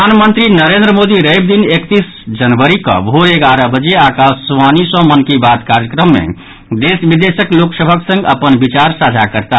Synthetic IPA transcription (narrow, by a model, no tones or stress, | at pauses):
anmənt̪ɾinəɾend̪ɾəmod̪iɾəjb̚d̪inekt̪is | d͡ʒənʋəɾikə̰̃bʱoeɡaɾəbəd͡ʒeakassʋanisɔ̃mənkibat̪kaɾjəkɾəmːḛ | d̪esbid̪esəkloksəbʱəksə̃ŋɡə̰pənbit͡ʃaɾsad͡ʒʱakəɾt̪a